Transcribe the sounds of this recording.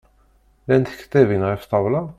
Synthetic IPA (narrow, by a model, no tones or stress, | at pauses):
lænt̪ə̥kːə̥t̪ːævinʁift̪ˤɑwlɑ